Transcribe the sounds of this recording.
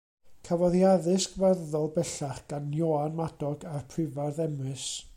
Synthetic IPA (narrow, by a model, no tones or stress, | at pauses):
kʰavɔðjaðɨsɡ̥varðɔlˠbɛɬaχɡ̥anjɔanmadɔɡarpʰrɪvarðɛmɨs